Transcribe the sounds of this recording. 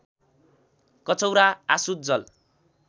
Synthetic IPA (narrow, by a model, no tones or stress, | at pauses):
kʌt͡sʌwɾaasut̪̚d͡zʌl